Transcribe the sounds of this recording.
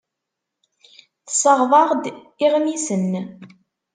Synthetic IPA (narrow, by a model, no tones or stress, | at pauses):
θə̥səʁðˤɑʁd̪ | ɪʁnisən